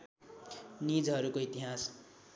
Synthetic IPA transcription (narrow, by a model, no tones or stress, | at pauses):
nid͡zɦʌɾukoit̪iɦas